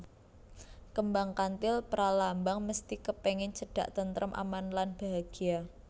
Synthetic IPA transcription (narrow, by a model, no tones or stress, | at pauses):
kəmbaŋkant̪ɪlpəɾalambaŋməst̪ikəpeŋɪnt͡ʃəɖ̥a̤̰ʔt̪ənt̪ɾəmʔa̰manlanb̥a̤ɦaɡ̥ia